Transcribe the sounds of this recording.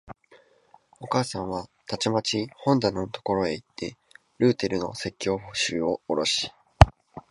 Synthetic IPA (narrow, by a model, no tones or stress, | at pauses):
o̞kaːsãɰ̃βat̪at͡ɕimat͡ɕihõ̞nd̪anot̪o̞̥ko̞ɾo̞e̞it̪ːe̞̰ | ɾɯ̟ːt̪e̞ɾɯ̟no̞̰se̞kʲːo̞ːhoɕɨːo̰ːɾo̞ɕi̥